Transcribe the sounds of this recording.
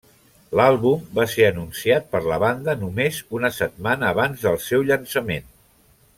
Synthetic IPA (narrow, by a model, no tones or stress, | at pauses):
lalˠβumbaseɾənunsiat̪̚pəɾləβand̪ənumezunəsət̪̚manəːβ̞anzðəlˠsɛwʎənsəmen